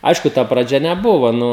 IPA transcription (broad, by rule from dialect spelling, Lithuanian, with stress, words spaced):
ˈɐɪʃkʊ tɐ prɐˈd͡ʒʲɛ nʲɛˈbʊʋoː ˈnʊ